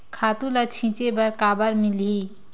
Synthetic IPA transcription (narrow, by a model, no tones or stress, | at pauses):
kʰat̪ũlət͡ʃʰĩt͡ʃebəɾkabəɾmilɦi